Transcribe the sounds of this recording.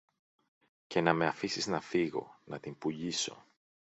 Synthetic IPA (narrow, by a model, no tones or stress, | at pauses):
ce̞nɐme̞ɐfisiznɐfiɣo̞̰nɐt̪impuʎiso̞̰